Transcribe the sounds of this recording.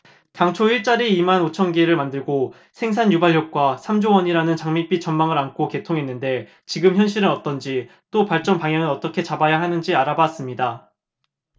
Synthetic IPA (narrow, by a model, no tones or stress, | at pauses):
taŋt͡ɕʰoiɭt͡ɕ͈aɾiːmanot͡ɕʰʌnɡeɾɯɭmandɯɭɡo | sʰe̞ŋs̬ʰaɲjubaʎjʌk̚k͈wasʰamd͡ʑowʌɲiɾanɯnt͡ɕaŋmip͈it͡ɕʌnmaŋɯɾankʰoke̞tʰoŋɦe̞nːɯnde̞ | t͡ɕiɡɯmçjʌnɕʰiɾɯnʌt͈ʌnd͡ʑit͈opaɭt͡ɕ͈ʌnpaŋjaŋɯnʌt͈ʌkʰe̞t͡ɕabajaɦanɯnd͡ʑiaɾabas͈ɯmɲida